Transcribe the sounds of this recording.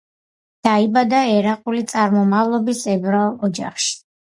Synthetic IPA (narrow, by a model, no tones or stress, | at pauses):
d̪̥aibad̪aɛɾaqʼulit̪sʼaɾmɔmavlˠɔbisɛbɾalˠɔd͡ʒa̰χʃi̥